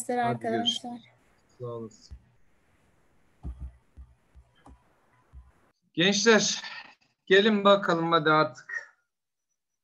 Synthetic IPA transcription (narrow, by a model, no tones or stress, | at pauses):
laɾaɾkad̪aʃlˠaɾ | salˠɯs | ɟ̥ɛnt͡ʃlʲɛɾ | ɟ̥elʲimbakʰalˠɯmːad̪ɯat̪ʰɯ̥k